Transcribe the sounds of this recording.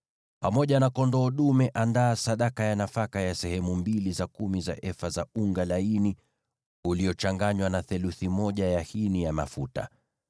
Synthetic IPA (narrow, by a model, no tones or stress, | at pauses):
pamɔʄanakɔndɔːɗumɛʔandaːsaɗakajanafakajasɛhɛmumbilizakumiza̰ʔɛfazauŋɡalaini | uliɔt͡ʃaŋɡaɲwanaθɛluθimɔʄajahinijama̰futa̰